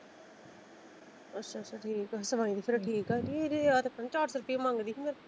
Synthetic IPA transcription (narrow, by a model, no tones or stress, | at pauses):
ətːʃʰaːtːt͡ʃʰaːʈʰiːkɛːsəʋaːĩd̪iːpʰɪɾʈʰiːkɛːd͡ʒieɾiat̪ẽpə̃ɲd͡ʒt͡ʃaːʈsɾʊpiẽmãːŋɡd̪iːmʰɪɾ